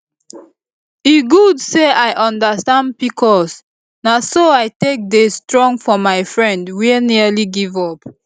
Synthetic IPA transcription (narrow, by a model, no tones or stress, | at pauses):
iɡudseʔajʔɔ̃ndəstãndpikʰɔs | nasoaɪtek̚destɹɔ̃ŋfɔmaɪfɹɛ̃ndwiniəliɡivɔp